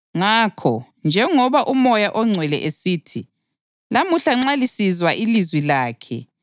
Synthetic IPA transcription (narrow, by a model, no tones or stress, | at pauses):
ŋaːkʰɔ | nd͡ʒʱɛŋɔβaʔumɔjaʔɔŋ͡ǀʱwɛlɛ̰ʔesiːtʰi | lamuɬaŋ͡ǁalisizwaʔilizwilaːkʰɛ̰